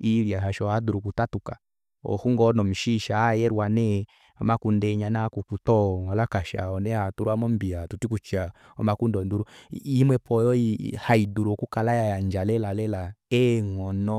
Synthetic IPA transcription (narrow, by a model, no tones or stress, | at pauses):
iɾjaɦaʃɔhaduɾukutatuka | ɔ̰huŋɡɔnɔm̩ʃiʃajɛɾwanɛ | ɔmakundɛɲanakukutɔŋalakaʃa̰ɔnɛhatuɾuamɔmbiatutikut͡ʃia | ɔ̰makundɔnduɾuimwɛpʰɔjɔihaiduɾukukalajajaɲd͡ʒalɛlalɛlaɛŋɔnɔ